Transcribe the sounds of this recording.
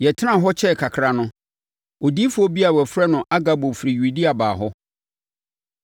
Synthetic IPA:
jɛ˨tʰɪ˦ã˦˨ɦɔ˦t͡ɕʰɛ˦˨kʰa˨kʰɾa˨nʊ̃˦ | o˨di˦fu˦ɔ˦bi˦a˨wɛ˨fɾɛ˦nʊ̃˨ʔa˦ɡa˨bo˨fɾi˨ju˨di˦a˨ba̰ː˨ɦɔ˦

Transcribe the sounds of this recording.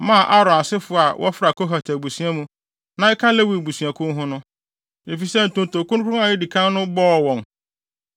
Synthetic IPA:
mã˦˨ʔa˦ɾɔ̃˨a˨sɪ˦fʊ˦˨a˨wʔɔ̰˦fɾa˨ko˦ɦa˨tʰa˨bu˨sũ˨˦a˦mũ˦ | nã˨˦ɪ˦kʰã˦le˦wi˨bu˨sɥa˨kʰʊ̃˦ɦʊ̃˦nʊ̃˦ | e˨fi˨sɛ˦n̩˨tʊ̃˨nto˨kʊ̃˦ñ˦kʰʊ˦ʊ̃˦a˨jɪ˦di˨kʰã˦n˦nʊ̃˦bɔː˦˨wɔ̃˨n

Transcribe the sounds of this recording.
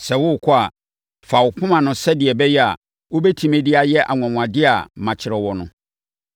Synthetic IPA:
sɛ˨wʊ˦˨kʰɔ˦a˨ | fa˨wʊ˨kʰʊ̃˦mã˨nʊ̃˨sɛ˦dɪ˨ɛ˨bɛ˦jɛ˦a̰˨ | wo˦bɛ˦tʰĩ˦mɛ̃˦dɪ˦a˨jɛ˦ʔa̰˨ŋ˨ã˨ŋ̃˨ã˨dɪ˦a̰˨mã˨t͡ɕʰɪ˨ɾɛ˨wɔ˨nʊ̃˦

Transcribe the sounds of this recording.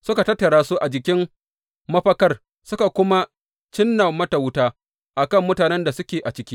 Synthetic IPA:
sʊ˦ka˨tɐ˦tːɐ˨ɽaː˦su˦ʔa˨d͡ʒɪ˨kʲɪ˦m | mɐ˦ɸɐ˦kɐ˦r | sʊ˦ka˨kʷʊ˦ma˦ | t͡ʃɪ˦nːa˨mɐ˦ta˨wtaː˦ | ʔa˨kɐ˦˨mːʊ˦taː˨nɛ˦nda˨sʊ˦kʲeː˨ʔa˨t͡ʃɪ˦kʲiː˦

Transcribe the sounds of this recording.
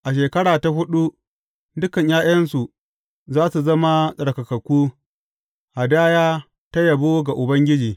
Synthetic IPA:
ʔa˨ʃ̬eː˨kɐ˦ɽaː˨ta˨ɦʊ˦ɗu˦ | dʊ˦kɐ˨ɲjaː˦j̰ɐ˦nsu˨ | zaː˦su˨zɐ˦ma˦sʼɐ˨ɽkɐ˨kɐ˨kʷuː˦ | ha˨daː˦jaː˦ | ta˦jɐ˨boː˦ɡa˨ʔʊ˨bɐ˦ŋɡʲɪ˦d͡ʒiː˨

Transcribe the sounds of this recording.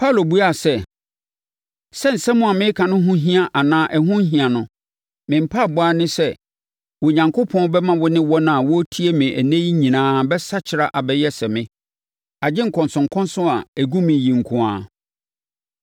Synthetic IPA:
pʰa˦˨lo˨bu˦a˨sɛ˦ | sɛ˦n̩˨sɛ˦mʊ̃˦a˨mɪ̃˦kʰã˨nʊ̃˦ɦʊ̃˦ɦĩ˦a˦˨ʔa˨nãː˦ʔɛ˨ɦʊ̃˦ɦĩ˨a˨nʊ̃˨ | mɪ̃˨m̩˨pʰa˦˨bʊ˦a˦nɪ̃˦sɛ˦ | wɔ˨ɲã˨ŋkʰo˦pʰɔ̃˦bɛ˦mã˦wɔ˦nɪ̃˦wɔ˦nã˦˨a˨wɔ˦tʰi˦e˦mɪ̃˨ʔæ˨nẽ˦ji˦ɲĩ˨nãː˦bɛ˦sa˦t͡ɕʰɪ˨ɾa˨ʔa˨bɛ˦jɛ˦sɛ˨mɪ̃˦ | a˨d͡ʑɪ˦ŋ̩˨kʰɔ̃˨nsʊ̃˨ŋkʰɔ̃˦n˦sʊ̃˦a˨æ˨ɡũ˦mɪ̃˨jĩ˨ŋ̩˨kʰʊ̃˨a˦˨

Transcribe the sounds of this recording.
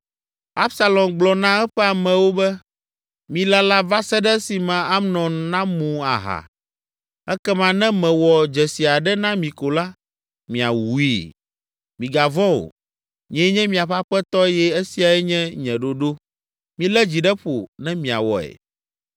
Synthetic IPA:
a˦bsa˨lɔ̃˨mɡ͡blɔ˨nã˦ɛ˦ɸɛ˦a˨mɛ̃˨wo˦bɛ˦ | mĩ˨la˦la˦va˦sɛ˦ɖɛ˦si˨mã˨a˦mnɔ̃˨n˨nã˦mũ˨a̰˨ɦa̰˨ | ɛ˦kɛ˦mã˦nɛ̃˦mɛ̃˨wɔ˨d͡ʒɛ˨si˨a˨ɖɛ˦nã˦mĩ˨ko˨la˦ | mĩ˨a̰˨wu˨˦i˦˨ | mĩ˨ɡa˨vɔ̃˦o̰˨ | ɲĩ˨ɛ̃˨˦ɲɛ̃˦mĩ˨a˨ɸa˦ɸɛ˦t̪ɔ˦jɛ˦e˦si˨a˨ɛ˦ɲɛ̃˦ɲɛ̃˨ɖo˨ɖo˦ | mĩ˨lɛ˦d͡ʑi˨ɖɛ˦ɸo˨nɛ̃˦mĩ˨a̰˨wɔ̰˨ɛ̰˨

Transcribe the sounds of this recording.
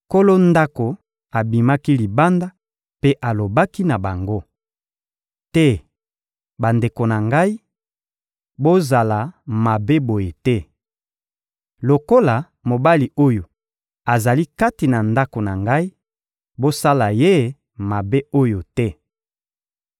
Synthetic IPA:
ko˦lo˦nda˦ko˨ | a˨bi˨ma˦ki˦li˨ba˦nda˦ | pe˦ʔa˨lo˨ba˦ki˦na˨ba˨ŋɡo˦ | tɛ˦ | ba˨nde˨ko˨na˨ŋɡa˦i˦ | bo˦za˨la˨ma˨be˦bo˨je˨tɛ˦ | lo˨ko˦la˨ | mo˨ba˦li˨o˦jo˨ | a˨za˨li˦ka˦ti˨na˨nda˦ko˨na˨ŋɡa˦i˦ | bo˦sa˦la˨je˦ | ma˨be˦o˦jo˨tɛ˦

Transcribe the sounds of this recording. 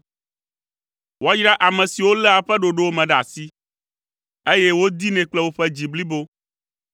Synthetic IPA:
wa˦jɾa˦ʔa˨mɛ̃˨si˨wo˦lɛ˦a˨ɸɛ˦ɖo˨ɖo˦wo˦mɛ̃˨ɖa̰˨si˦ | e˦jɛ˦wo˦d̪i˦nɛ̃˨k͡plɛ˦wo˦ɸɛ˦d͡ʑi˨bli˦bo˦

